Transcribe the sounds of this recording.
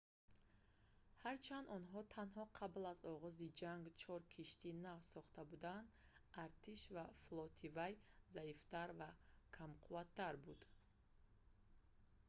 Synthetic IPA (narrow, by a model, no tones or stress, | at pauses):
haɾt͡ʃʰand̪ɔnɦɔt̪ʰanɦɔqʰablazɔʁɔzid͡ʒaŋɡt͡ʃʰɔɾkʰiʃt̪inavsɔχt̪abud̪and̪ | aɾt̪ʰiʃvaflɔt̪ʰivajzaift̪aɾvakʰamqʰuvat̪ʰːaɾbud̪̥